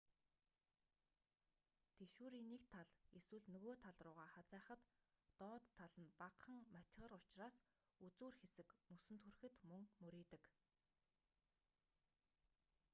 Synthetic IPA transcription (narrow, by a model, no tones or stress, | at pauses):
t̪ʰeʃuːɾiːnikt̪ʰːaɮeswɘ̆ɮnɵɣoːt̪ʰaɮrʊːʁaːχat͡sæːχə̆t̪ː | ɔːt̪ʰːaɮə̆npaqχə̆ŋmat̪̆ʲʁə̆rʊt͡ɕraːs | ut͡suːrxesɘ̆kmɵsɵ̆nt̪xurxɘ̆t̪mɵŋmɵɾiːt̪ɘ̆k